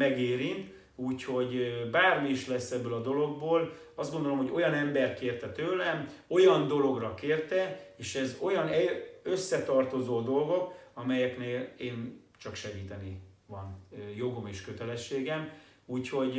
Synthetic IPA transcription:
mɛɡeːɾint̪ | uːcho̞ɟbaːrmiiʃlɛsːɛbːøːlɒd̪o̞lo̞ɡ̚boːl | ɒzd̪ɡo̞nd̪olo̞mɦo̞ɟo̞jɒnɛmbɛrt̪̚keːrt̪ɛt̪øːlɛmo̞jɒnd̪o̞lo̞ɡrɒkeːrt̪ɛeːʃɛzo̞jɒnɛø̞sːɛt̪ɒrt̪o̞zoːd̪o̞lɡo̞kɒmɛjɛkneːleːn | t͡ʃɒkʃɛɡiːt̪ɛnivɒnjo̞ɡo̞meːʃkøt̪ɛlɛʃːeːɡɛm | uːcho̞ɟ

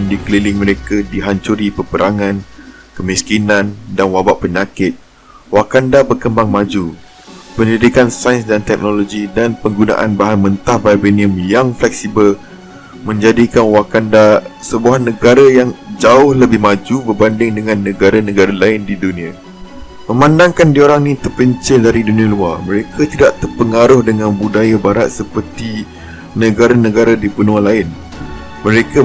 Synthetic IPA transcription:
ndikəlilɪŋmə̃ɾekadiɦaɲt͡ʃuɾipəpəɾʔaŋãn | kəmiskinãndanwabaʔpəɲakɪt̪̚ | wakandabərkəmbaŋmãd͡ʒu | pəndidikansajnsdant̪ɛk̚noloɡidanpəŋɡunã̰ʔanbaɦanmənt̪ahvabeniəmjaŋflɛk̚sibəl | mə̃ɲd͡ʒadikanwakandasəbuanə̃ɡaɾajaŋd͡ʒaʊhləbɪhmad͡ʒubərbandɪŋdəŋãnːəɡaɾanə̃ɡaɾalaɪndidunĩa | mə̃mãndaŋkandioɾaŋnĩt̪ərpəɲt͡ʃədaɾidunĩaluarmə̃ɾekʰat̪idaʔt̪ərpəŋaɾʊhdəŋãnbudajabaɾat̪̚səpərt̪i | nəɡaɾanə̃ɡaɾadipənũanlaɪn | mə̃ɾeka

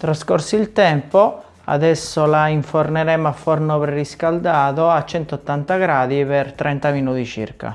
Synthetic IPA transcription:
t̪ɾaskɔrsiilt̪ɛmpo | a̰ðɛsːolaiɱfornɛɾɛmafːɔrnopɾɛriskald̪aːðoat͡ʃːɛnt̪oɔt̪ːant̪aɡɾaːd̪ipɛrt̪ɾɛnt̪aminuːt̪it͡ʃḭrka̰

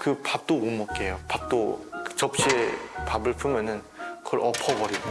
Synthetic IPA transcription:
kɯpap̚t͈oːmʌp̚k͈ejopap̚t͈oɯt͡ɕʌp̚ɕ͈iepabɯɭpʰɯŋjʌnɯn | kɯʌɾʌpʰʌbʌɾid

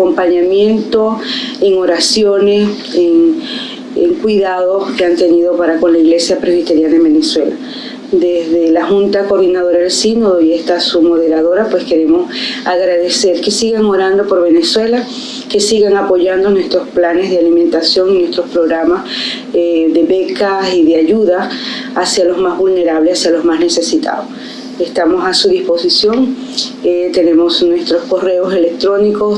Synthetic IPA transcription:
akompaɲamje̞nt̪o̞eŋo̞ɾasjo̞ne̞s | eŋ | ḛŋkwiðaðo̞ske̞ant̪e̞niðo̞paɾako̞nlaiɣle̞sjapɾezβit̪e̞ɾjald̪embeneswela | d̪ezðe̞laxunt̪akoɾðinað̞o̞ɾaðelsinoðojest̪asumo̞ð̞e̞ɾaðo̞ɾapwe̞ske̞ɾe̞mo̞saɣɾaðe̞se̞ɾke̞siɣaŋo̞ɾand̪o̞po̞ɾβe̞neswe̞la | ke̞siɣaŋapo̞ʝand̪o̞nwe̞st̪ɾo̞splane̞zðealimẽnt̪asjo̞ŋinwe̞st̪ɾospɾo̞ɣɾamas | ðe̞βe̞kasiðeaʝuðaː | sjalo̞zmazβulne̞ɾaβle̞sasjalo̞zmasne̞se̞sit̪a̰ðos | est̪amo̞sasuðispo̞sisjo̞ŋ | t̪e̞ne̞mo̞snwe̞st̪ɾo̞sko̞re̞o̞se̞lek̚t̪ɾo̞niko̞s

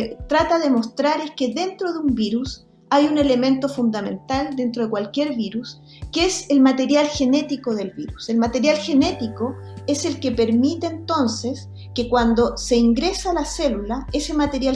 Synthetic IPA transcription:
t̪ɾat̪aðemo̞st̪ɾaɾeskeðe̞nt̪ɾoðeumbiɾus | ajune̞le̞mẽ̞nt̪o̞fund̪amẽ̞̰nt̪ald̪e̞nt̪ɾo̞ð̞ekwalkʲje̞ɾβiɾus | keselmat̪e̞ɾjalxe̞ne̞t̪ikoðelβiɾuse̞lmat̪eɾjalxe̞ne̞t̪iko | ese̞lkepe̞ɾmit̪eːnt̪o̞nses | kekwand̪o̞se̞iŋɡɾesaːlaselulaesemat̪e̞ɾja

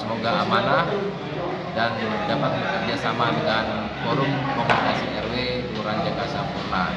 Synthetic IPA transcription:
səmoɡaːmana | dan | dapat̪̚bəkərd͡ʒasamadəŋan | boɾuŋkɔmunikasiɛrwet̪uɾand͡ʒakasampurna

